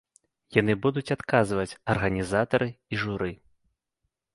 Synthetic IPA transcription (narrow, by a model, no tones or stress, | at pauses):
janɨbud̪ut͡sʲat̪kazvɐt͡sʲɐrɣɐnʲizat̪ɐɾɨiʐuɾɨ